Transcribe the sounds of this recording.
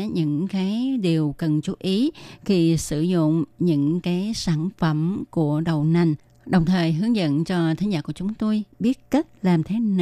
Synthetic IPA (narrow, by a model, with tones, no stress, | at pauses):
ɲɨ̰˧˥ŋkaː˨˦jɗi˨˩əwkə˨˩nt͡ɕu˨˦ʔi˨˦xi˧˩sɨ˧˩zʊ̰˧˨ŋ͡mɲɨ̰˧˥ŋkaː˨˦jsaː˧˩nfə˧˩mku˧˩əɗə˨˩wna˨˩jŋ̟ | ɗə˨˩wŋ͡mt̪ʰəː˨˩jɦɨ˨˦əŋzə̰˧˨nt͡ɕɔ˧t̪ʰaː˨˦ŋzaː˧˩ku˧˩ət͡ɕʊ˨˦ŋ͡mt̪o˧jɓi˦˥ət̚kə˦˥t̚laː˨˩mt̪ʰe˨˦n˧˨